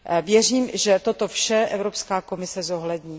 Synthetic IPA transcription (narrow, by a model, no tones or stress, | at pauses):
vjɛr̝iːmʒɛt̪ot̪ofʃɛʔɛvɾopskaːko̞mɪsɛzo̞ɦlɛdɲiː